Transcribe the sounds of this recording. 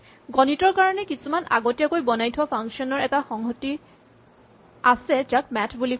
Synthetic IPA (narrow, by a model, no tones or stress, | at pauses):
ɡɔnitɔɹkaɹɔnɛkisumanʔa̰ɡotijakojbɔnajtʰuapʰaŋksiɔnɔɹɛtaxɔŋɦɔti | asɛtak̚mɛtʰbuli